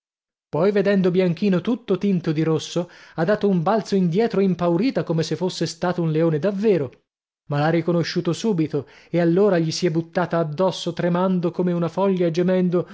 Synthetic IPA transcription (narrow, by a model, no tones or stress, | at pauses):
pɔjved̪ɛnd̪objaŋk̟iːnot̪ut̪ːot̪int̪od̪iɾosːoad̪ːaːt̪oumbalt̪soind̪jɛːt̪ɾoimpawɾiːt̪akomesefːosːest̪aːt̪ounleoːned̪avːeːɾo | malarːikonoʃːuːt̪osuːbit̪oealːoːɾaʎisiɛbut̪ːaːt̪aːd̪ːɔsːot̪ɾemand̪okoːmeunafɔʎːad͡ʒemɛnd̪o